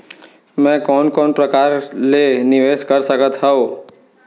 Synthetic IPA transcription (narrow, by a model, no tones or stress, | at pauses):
mɛ̃kɔːnkɔːnpɾəkaːɾlenɪʋeːskəɾsəkət̪ɦɛoː